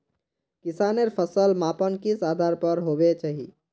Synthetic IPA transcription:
kisaneɾpʰəsəlmapənkisad̪ʱaɾpəɾɦobet͡ʃaːɦḭ

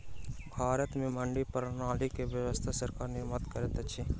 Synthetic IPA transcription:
bʱaːɾət̪mẽməɳɖipəɾənaːlikeʋjəʋəst̪ʰasɐɾkaːɾnɪɾmət̪kəɾet̪ɐt͡ʃʰi

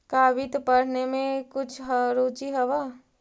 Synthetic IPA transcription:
kaːʋɪt̪pəɽ̤nemẽkʊt͡ʃʰɦɾoːt͡ʃiɦəʋa

